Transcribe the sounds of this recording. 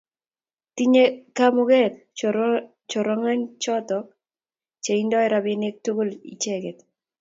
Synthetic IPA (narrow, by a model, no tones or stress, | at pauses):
tiɲekamʊɡɛt̚ | t͡ʃɔɾɔŋant͡ʃɔtɔk̚ | t͡ʃeindɔɪɾabenek̚tuɡolḭt͡ʃeɡɛt̪